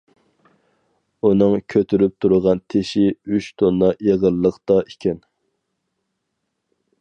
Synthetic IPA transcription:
unɨŋkʲʰøt̪ʰyɾyp̚t̪ʰuɾʊʁɑnt̪ʰeʃiyt͡ʃt̪ʰonːɑʔeʁəlːəqt̪ɑʔikʲʰɛn

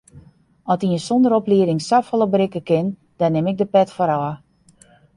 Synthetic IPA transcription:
ɔtiənsɔndəɾɔpliəɾɪŋsafɔlˠəbɾɪkəkɪn | d̥ɔnɪmɪk̚dəpɛtfoɾɔə

